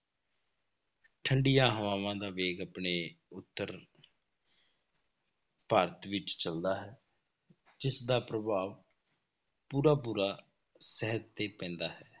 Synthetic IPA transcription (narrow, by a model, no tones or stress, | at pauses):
ʈʰəɳɖɪjãːɦəʋaːʋãːd̪aːʋeːɡaːpɳeːʊt̪ːəɾ | paːɾət̪ʋɪt͡ʃt͡ʃəld̪aːɦɛː | d͡ʒɪsd̪aːpɾəbʱaːʋ | puːɾaːpuːɾaː | səɦət̪ːeːpɛ̃ːnd̪aːɦɛː